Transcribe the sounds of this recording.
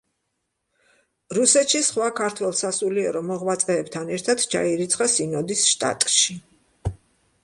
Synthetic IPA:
ɾusɛt̪ʃisχwakʰaɾt̪ʰwɛlˠsasuliɛɾɔmɔʁwat̪sʼɛːbt̪ʰanɛɾt̪ʰad̪t͡ʃʰa̰iɾit̪sʰχʼasinɔd̪isʃt̪ʼa̰t̪ʼʃi

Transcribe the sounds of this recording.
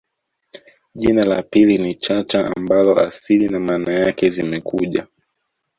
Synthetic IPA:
ʄinalapilinit͡ʃat͡ʃaʔa̰mbalɔa̰silinamaːnajakɛzimɛkʰuʄa

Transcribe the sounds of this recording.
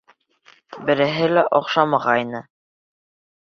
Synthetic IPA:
bɘ̆ɾɘ̆ɦɘlæʔɒqʃɑmɑʁɑjnɤ

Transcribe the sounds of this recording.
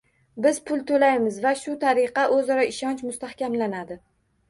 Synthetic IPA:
bɪzpʰʊlˠt̪ʰolajmɪzvaʃʊt̪ʰaɾɪqɑʔɵzɒɾɒɪʃɒnt͡ʃmʊst̪ahkʲamlanad̪ɪ

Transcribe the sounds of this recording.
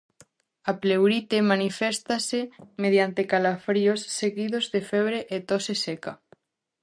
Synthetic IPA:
aplewɾit̪emanifɛst̪asemeð̞jant̪ekalafɾiosːeɣiðozðefeβ̞ɾeʔet̪oseseka

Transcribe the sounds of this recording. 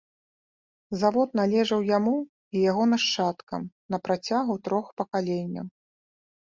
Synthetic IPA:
zavɔt̪n̪alʲɛʐɐwjamu | ijaɣɔnɐʂt͡ʂat̪kɐ̰m | nɐpɾat͡sʲaɣut̪ɾɔxpɐkalʲɛnʲːɐ̰w

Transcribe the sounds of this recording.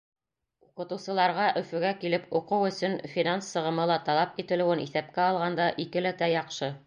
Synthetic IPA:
uqɤ̆t̪ɤ̆wsɤ̆lˠɑɾʁɑʔɵ̆fɵ̆ɡækilɘpuqɤwɵ̆sɵnfʲinansːɤ̆ʁɤ̆mɤlˠɑt̪ɑlˠɑpit̪ɘ̆lɘ̆wɘniθæp̚kæɑlˠʁɑnd̪ɑʔikɘ̆læt̪æjɑqʃɤ

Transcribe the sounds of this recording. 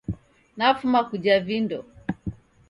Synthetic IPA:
nafumakud͡ʒavindɔ

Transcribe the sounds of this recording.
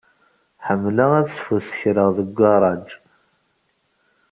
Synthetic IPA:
ħəmːləʁæθsfusəçɾəʁðəɡʷːɑɾˤɑd͡ʒ

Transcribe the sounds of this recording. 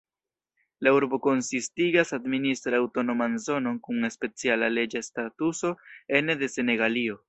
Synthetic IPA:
lauɾbo̞ko̞nsistiɡasadministɾaawto̞no̞manzo̞no̞nkuŋe̞spe̞t͡sialale̞d͡ʒastatuso̞e̞nede̞se̞ne̞ɡalio̞

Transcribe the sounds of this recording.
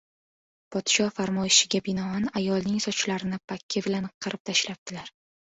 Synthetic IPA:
pʰɒd̪̥ɪ̥ʃɒfaɾmɒjɪʃɪɡʲabɪnɒanajɒlˠnɪŋsɒt͡ʃʰɪlaɾɪnɪpʰakʲʰːɪbɪlanqʰɨɾɪp̚t̪ʰaʃlap̚t̪ʰɪlaɾ

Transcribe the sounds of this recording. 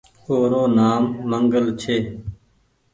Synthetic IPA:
oːɾoːnaːmːəŋɡəlt͡ʃʰeː

